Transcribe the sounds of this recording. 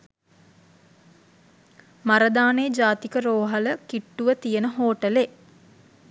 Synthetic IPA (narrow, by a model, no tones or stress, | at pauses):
maɾəd̪aːneːd͡ʒaːt̪ikəɾoːɦaləkiʈːuʋət̪ijənəɦoːʈəle